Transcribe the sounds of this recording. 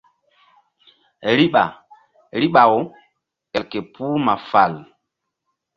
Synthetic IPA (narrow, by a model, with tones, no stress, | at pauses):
ɾi˦ɓa̰˨ | ɾi˦ɓa˨wo˨ | ɛ˨lke˨pʰu˦ma˨fa̰˨l